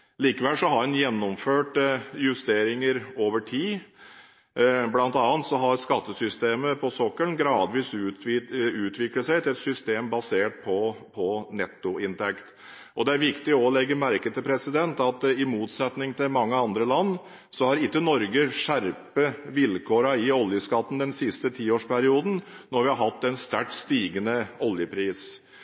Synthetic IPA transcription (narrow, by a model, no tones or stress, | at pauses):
liːkəʋɛlsɔɦɑɾhʉnjɛnːɔmføːʈjʉst̪eːɾɪŋəɾoːʋəʈʰiː | blɑnt̪ɑːnt̪sɔɦɑɾskɑt̪ːəsʏst̪eːməpʰɔsɔkːəlɡɾɑːd̪ʋiːsʉ | ʉːt̪ʰʋɪkləsæɪt̪ʰɪɛt̪sʏst̪eːmbɑseːʈ̚pʰɔpʰɔnɛt̪ːʊɪnt̪ʰɛkt̪ | ɔd̪ɛæɾʋɪkt̪ɪɔlɛɡːəɾmæɾkət̪ʰɪlpʰɾɛsɪd̪ɛnt̪ɑt̪ɪmuːt̪sɛt̪nɪŋt̪ʰɪlmɑŋːəɑnd̪ɾəlɑnː | sɔhɑɾɪt̪ːənɔɾɡəʂæɾpəʋɪlkʰoːɾɑɪɔljəskɑt̪ːn̩d̪ɛnsɪst̪ət̪ʰiːoːʂpʰæɾɪuːd̪n̩nɔɾʋɪhɑɾɦɑt̪ːɛnst̪æʈst̪iːɡənəɔljəpʰɾiːs